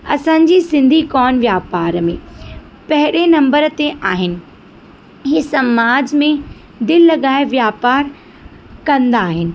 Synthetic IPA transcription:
ɐsãːɲd͡ʑisɪ̃nd̪ʱikɔːnʋjaːpaːɾmẽ | pɐɦɪɽenɐ̃mbəɾt̪eʔaːɦɪnɪ̆ | ɦɪsɐmaːd͡ʑmẽ | d̪ɪllːɐɠaːɪʋjaːpaːɾ | kɐ̃nd̪aːɦɪnɪ̆

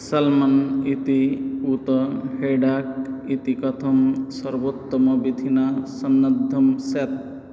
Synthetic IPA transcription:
sɐlmɐnit̪iut̪ɐɦeɖak̚it̪ikɐt̪ʰɐmsɐɾbot̪ːɐmɐbid̪ʱinasɐnːɐd̪ʱːɐmset̪̚

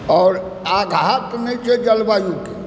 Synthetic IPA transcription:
ɔːɾ | aɡɦat̪nɛit͡ʃʰed͡ʒəlbajuke

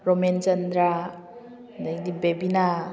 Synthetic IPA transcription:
ɾoment͡ʃɐnd̪ɾa | daɡdibebina

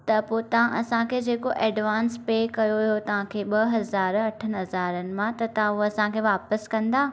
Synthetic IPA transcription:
t̪ɐpot̪ɐʋ̤ãʔɐsãkʰeːd͡ʑeːkoʔɛːɖʋaːnspeːkɐjojot̪ɐʋ̤ãkʰeːɓɐɦɐzaːɾɐʈʰənɦɐzaːɾənɪ̆mãt̪ɐt̪ɐʋãuɐsãkʰeːʋaːpəskɐ̃nd̪aː

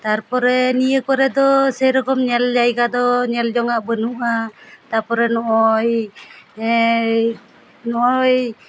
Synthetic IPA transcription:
t̪aɾpɔɾɛnijəkɔɾɛd̪ɔsɛjɾɔkɔmɲɛld͡ʒajɡad̪ɔɲɛld͡ʒɔŋaʔbənuʔat̪aɾpɔɾɛnɔʔɔj | nɔʔɔj

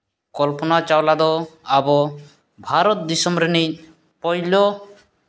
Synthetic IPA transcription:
kɔlpɔnat͡ʃawlad̪ɔabɔ | bʱaɾɔt̪̚d̪isɔmɾenic̚ | pɔjlɔ

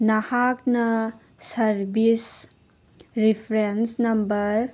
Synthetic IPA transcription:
nɐhak̚nɐ | sɐɾbis | ɾipʰɾensnɐmbɐɾ

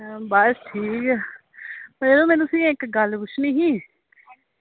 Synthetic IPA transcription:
bəsʈʰiːkː | eːlũːmɛ̃ːnũsĩːɪkɡəlbʊʃʰniːɦĩː

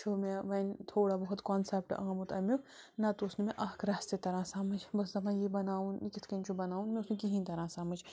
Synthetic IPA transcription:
t͡ʃʰoːmẽʋɐnt̪ʰoːɽabɐɦʊt̪kɔːnsep̚ʈɐ̰amut̪ɐmu | nɐt̪oːsnimẽʔɐɦkʰɾaːst̪et̪ɐɾãːsaːmɐd͡ʒʰbɐsd̪ɐmãjibɐnaːũnikɪt̪ʰkɐnʲt͡ʃʰobɐnaːũnmẽʊsnẽkiɦĩːt̪ɐɾãːsaːmɐd͡ʒ

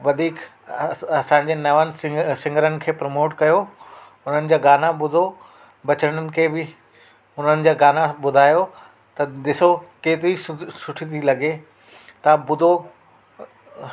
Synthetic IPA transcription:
ʋɐd̪ʱiːk | ɐsãːɲ̆d͡ʑeːnɐʋənɪ̆sɪ̃ŋɡəɾənɪ̆kʰeːpɾɐmoːʈkɐjo | ʊn̤ənɪ̆d͡ʑaːɡaːnabʊd̪ʱo | bɐt͡ɕəɽ̃ənɪ̆kʰeːbɪ | ʊn̤ənɪ̆d͡ʑaːɡaːnabʊd̪ʱaːjo | t̪ɐd̪ɪsokeːt̪ɪɾisʊʈʰit̪ʰilɐɡe | t̪ɐbʊd̪ʱo

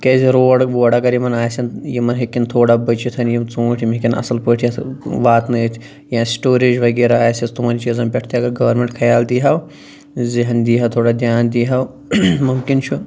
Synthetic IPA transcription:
kɐːziɾoːɽʋoːɽɐkɐɾjimɐnaːjsʲinjimɐnɦekːint̪ʰoːɽabɐt͡ʃit̪ʰɐnjimt͡sũːʈʰimikinɐ̰sɐlpəːʈʰiʋaːt̪nɐt̪ʰ | jãːsʈoːɾid͡ʒʋɐɡeːɾaaːjsist̪umɐnt͡ʃizɐmpʲɛʈʰt̪iɐɡɐɾɡɐʋɐɾmẽɳʈkʰɐjaːld̪iːɦɐw | ziɦnd̪iːɦɐwt̪ʰoːɽad̪ʲjaːnd̪iːɦɐw | mumkint͡ʃʰu

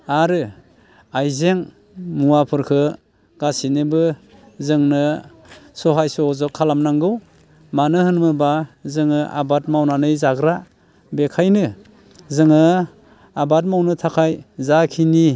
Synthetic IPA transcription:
aɾɯ | ajzeŋ | muapʰɯɾkʰɯ | ɡ̥asinebɯ | zɯŋnɯ | sɔɦajsɔzɔkʰːalamnaŋɡɯw | manɯhɯnmɯbazɯŋɯʔa̰bat̚mawnanɯjzaɡɾa | bekʰajnɯ | zɯŋɯ | abat̬̚mawnɯtʰakʰajzakʰini

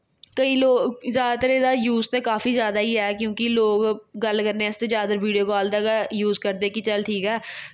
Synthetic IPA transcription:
kəĩːloːɡzjaːd̪t̪ɾeːd̪aːjuːzt̪ekaːfiːzjaːd̪aːiːɦɛːkjõːkiloːɡːəlkəɾnẽɪst̪eːzjaːd̪əɾʋiːɖijoːkaːld̪aːɡajuːzkəɾd̪eːkit͡ʃəlʈʰiːkɛː

